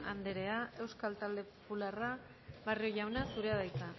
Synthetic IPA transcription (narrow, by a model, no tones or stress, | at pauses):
and̪eɾe̞aʔe̞wskalt̪ald̪e̞populara | βario̞jawnasuɾe̞aðajt͡s̪a